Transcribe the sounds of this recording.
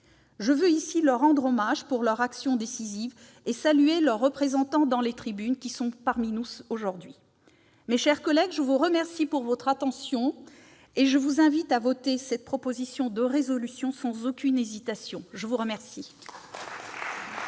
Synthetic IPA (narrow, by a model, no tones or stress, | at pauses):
ʒəvøisilœʁːɑ̃d̪ʁomaʒpuʁlœʁaksjɔ̃d̪esiziv | esalyelœʁːəpχezɑ̃t̪ɑ̃d̪ɑ̃let̪χibynkʲisɔ̃paʁminuoʒuʁd̪ɥi | meʃɛʁkɔlɛɡʒəvuʁəmɛʁsipuʁvɔt̪χat̪ɑ̃sjɔ̃ | eʒəvuzɛ̃vit̪avot̪esɛt̪̚pχɔpozisjɔ̃d̪əʁezɔlysjɔ̃sɑ̃zokʲynezit̪asjɔ̃ʒəvuʁəmɛʁsi